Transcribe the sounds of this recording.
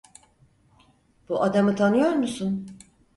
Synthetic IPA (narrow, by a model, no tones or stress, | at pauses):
b̥uʔad̪amɯt̪ʰanɯjo̞ɾmusun